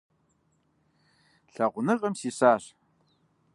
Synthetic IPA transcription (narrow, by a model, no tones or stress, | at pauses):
ɬɐʁʷnɨʁʼəmsiɕaːɕ